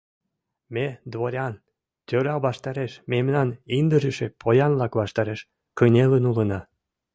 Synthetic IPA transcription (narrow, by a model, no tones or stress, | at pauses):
med̪βoɾʲɑn | t̪ʲøɾɑβɑʃt̪ɑɾeʃmemnɑnind̪əʒəʃepʰojɑnlɑkβɑʃt̪ɑɾeʃ | kənʲelənulənɑ